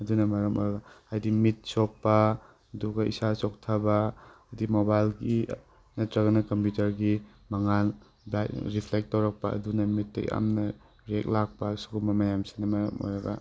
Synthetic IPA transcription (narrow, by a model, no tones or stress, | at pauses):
ɐdunɐmɐɾɐmɔ̰jɾɐɡaajdimit̚sok̚pɐ | ɐduɡɐḭsasok̚tʰabaː | jdimobajlɡi | nɐtɾɐɡɐnɐkɐmpjutɐɾɡi | mɐŋan | baɾipʰlek̚tːawɾɐk̚pɐɐ̰dunɐmitːḛa̰mnɐ | ɾek̚lak̚pɐsu̥kubɐmajamsi̥nɐmɐɾɐmɔ̰jɾɐɡa̰